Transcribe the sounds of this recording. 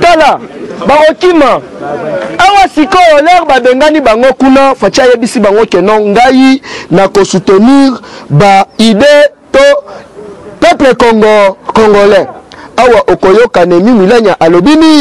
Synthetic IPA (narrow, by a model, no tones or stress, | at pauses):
talabaɣokima | awasikɔolɛʁbabeŋɡanibaŋɡokunafat͡ʃiajebisibaŋɡokɛnɔŋɡajinakosuteniʁbaide | to | pɛplekoŋɡkoŋɡolɛawaʔokojokanɛmimilɛɲaʔalobini